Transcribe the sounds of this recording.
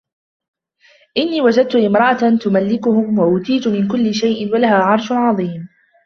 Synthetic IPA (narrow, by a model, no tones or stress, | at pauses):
ʔɪnːiːwad͡ʒad̪̚t̪ʊʔɪmɾˤɑʔatt̪ʊmalːɪkʊhʊmwaʔʊt̪iːt̪ʊmɪnkʊlːɪʃajʔɪnwalahaːʕɑɾˤʃʕɑðˤiːm